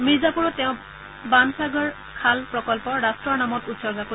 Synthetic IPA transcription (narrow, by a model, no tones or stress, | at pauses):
mizapuɹɔt̪eʊ̃ | bansaɡɔɹ | kʰalpɹɔkɔlpɔɾastɹɔɹnamɔt̪ut̪sɔɾɡaku